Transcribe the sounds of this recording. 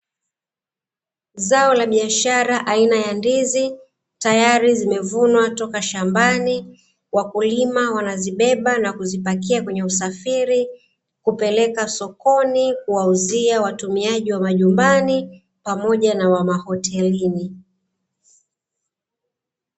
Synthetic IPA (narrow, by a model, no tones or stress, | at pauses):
zaɔlaɓiaʃaɾaʔainajandizi | tajaɾizimɛvunwatɔkaʃambani | wakulimawanaziɓɛɓanakuzipak̬iakwɛɲɛusafiɾi | kupɛlɛkasɔkɔnikuwauziawatumiaʄiwamaʄumbani | pamɔʄanawamahɔtʰɛlini